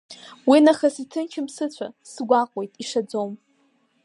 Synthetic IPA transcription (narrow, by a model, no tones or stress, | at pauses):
winaχasitʰɨnt͡ʃʰɪmsɨt͡ɕʷʰa̰sɡʷaqʷʼwe̞jtʼiʂad͡zowm